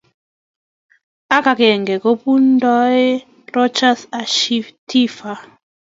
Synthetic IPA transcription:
a˦ka˨kɛ˨ŋɡɛ˨ko˦pu˦n˦dɔ˦e˦ | ɾɔ˦t͡ʃa˦sa˨ʃi˦tʰi˦fa˨

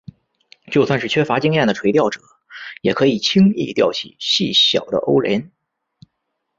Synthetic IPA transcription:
t͡ɕjo˥˧ʊswa˥˧nʂɻ̩˥˩t͡ɕʰɥɛ˥fa˧˥t͡ɕi˥ŋjɛ˥˩nd̪ə˩ʈ͡ʂʰwe˧˥ɪt̪jɑ˥˩ʊʈ͡ʂɤ̥˨˩˦ | jɛ˨˩kʰɤ˧˥i˨˩t͡ɕʰi˥ŋḭ˥˧t̪jɑ̰˥˩ʊt͡ɕʰḭ˨˩ɕi˥˩ɕjɑ̰˨˩ʊd̪ə̰˦ʔo̰˥ʊlɛ̰˧˥n

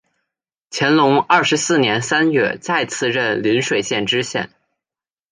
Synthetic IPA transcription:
t͡ɕʰjɛ˧˥nlʊ˧˥ŋɐ˥˩ʂɻ̩˧˥sɹ̩˥˩njɛ˧˥nsa˥nɥɛ̰˥˧t͡sa˥˧ɪt͡sʰɹ̩˥˧ɻə˥˩nli˧˥nʂwe˨˩ɪɕjɛ˥˩nʈ͡ʂɻ̩˥ɕjɛ̰˥˩n

